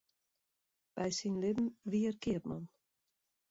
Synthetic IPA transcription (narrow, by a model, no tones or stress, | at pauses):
b̥ɛjsinlɪbm̩ʋiərkɪətma̰n